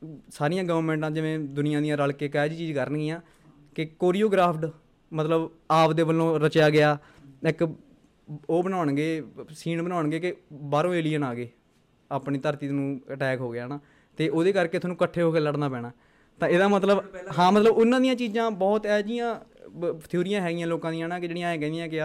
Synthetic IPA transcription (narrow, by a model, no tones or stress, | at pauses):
saːɾijãːɡəʋəɾmɛ̃ːɳʈãːd͡ʒɪʋẽːd̪ʊnɪjãːd̪ijãːɾəlkeːkɛːd͡ʒiːt͡ʃiːd͡ʒkəɾənɡiːãː | kɪkoːɾiːoːɡɾaːpʰʈ | mət̪ləb | aːpd̪eːbəlːõːɾət͡ʃjaːɡɪjaː | ɪk | oːbənaːɳɡeːsiːnbənaːɳɡeːkɪbaːɾõːeːlijə̃ːnaːɡeː | aːpɳiːt̪əɾt̪iːd̪nũːəʈɛːkɦoːɡɪjaːnaː | t̪eːʔoːd̪eːkəɾkeːt̪ʰːnũːkəʈʰːeːɦoːkeːləɽnaːpɛ̃ːɽaː | t̪ãːɪd̪ãːmət̪ləbɦãːmət̪ləbʊnːãːd̪ijãːt͡ʃiːd͡ʒãːbɔːt̪ɛːd͡ʒijãː | t̪ʰjoːɾɪjãːɦɛːɡɪjãːloːkãːd̪ijãːnãːkɪd͡ʒeːɽijãːẽːkɛ̃ːnd̪ijãːkɪaː